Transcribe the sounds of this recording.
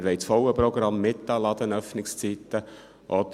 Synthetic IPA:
ɾʋɛɪt͡sfɔwəpɾɔɡɾɑmːɪt̪ːɑlɑd̪ənœfnɪkst͡sit̪ːə | ʔɔd̪

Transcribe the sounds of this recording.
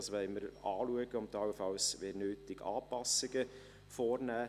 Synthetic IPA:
sʋɛɪməɾɑːluəɡəʊmtɑwfɑlsʋeːɾnøːtɪɡɑ̰ːpɑsɪɡə | fɔːrnæː

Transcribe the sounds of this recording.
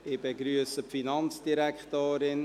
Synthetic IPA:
ɪbeɡɾyəsəpfinɑnt͡sd̥iɾɛkχtoːɾɪn

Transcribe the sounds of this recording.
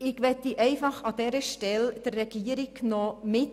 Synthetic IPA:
ɪɡ̥ʋɛt̪iʔɛɪfɑχɑd̥̪ɛɾəʃtɛld̥ərːɛɡ̥iːəɾɪɡnomɪt

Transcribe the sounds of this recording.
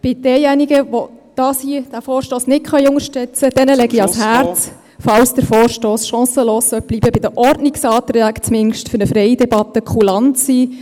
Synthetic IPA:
b̥ɪd̥ɛːjɛniɡəʋod̪̥ɑːsid̥æfɔːɾʃtoːsnɪt̚kʰχœjʊŋəʃtœt͡səd̥ɛnəlɛɡiɑshæɾt͡s | fɑwsd̥̪əɾfɔːɾʃtoːsʃɑ̃ːsəloːssœb̥libəbɪd̥̪əʔɔrdnɪksɑːt̪ɾæːkt͡smɪnʃtfʏɾnəfɾɛɪdɛbɑt̪ːəkʰχulɑnt̪siː

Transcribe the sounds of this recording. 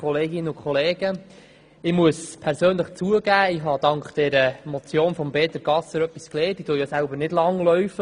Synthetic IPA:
ɔleːɡɪnəʊkʰχɔleːɡ̥ə | ɪmuəspʰɛɾsøːnləχt͡suəɡ̥æːɪɦɑd̥ɑŋkd̥ɛɾəmɔt͡sjoːnfɔmbeːtəɾɡ̥ɑsəɾœpːiskleːtitujɔsælbəɾnɪdlɑŋlœɥfə

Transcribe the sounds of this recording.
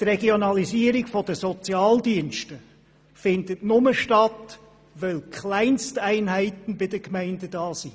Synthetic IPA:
trɛɡionɑliziːəɾiɡ̥fɔdəsɔt͡sjɑːldiənʃtə | fɪndətnʊməʃtɑt | ʋɛlkʰχlæɪnstæɪnɦæɪtən̩bɪdəkmæɪndədɑːsi

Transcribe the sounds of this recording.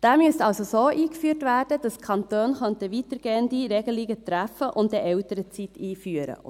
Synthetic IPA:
d̥æːmyəstɑlsosoːʔiːkfyːtʋæːrd̥əd̥ɑskʰɑntoːnχœntəʋit̪əɾɡ̥eːəndiɾɛɡ̥əliɡətɾæfəʔʊntdɛʔɛʊtəɾət͡sit̪iːfyəɾə̰

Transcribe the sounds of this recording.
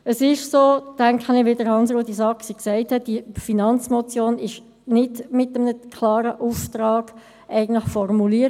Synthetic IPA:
əsɪʃsoːtæŋkχənɪʋɪdəɾhɑnsɾoːdisɑksiksæɪthɛt̚d̥ifinɑnt͡smɔt͡sjoːnɪʃ | nɪdmɪtəmnəkʰlɑːɾəʔuft̪ɾɑːɡ̥ | ʔæɪɡn̩tlɪχfɔrmuliəɾ

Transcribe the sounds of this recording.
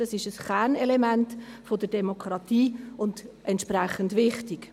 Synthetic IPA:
d̥ɑsɪʃəsχæɾnɛlɛmæntfodəɾdɛmokʰɾɑtiːʊndʔɛntʃpɾɛχəndʋɪχtɪk

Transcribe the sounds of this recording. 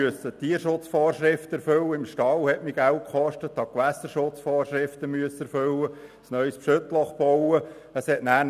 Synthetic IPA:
yəsət̪iːəɾʃʊt͡sfɔːrʃɾɪft̪əɛɾfʏlːəɪmʃtɑlhɛtmɪɡ̥ælt̚kχɔʃtət̪ːɑkʋæsəɾʃʊt͡sfɔːrʃɾɪft̪əmyəsəɛɾfʏlːəsnœʏspʃɵt̪lɔχb̥ɔwə | əshɛtnæːn

